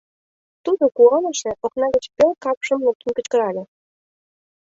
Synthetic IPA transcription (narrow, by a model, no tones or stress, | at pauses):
t̪ud̪ŏkuʁɑnɤ̆ʃĕʔoknɑɣə̆t͡ɕpʲølkɑpʃə̆mlup̚t̪ə̆nkə̆t͡ɕkɤ̆ɾɑlʲĕ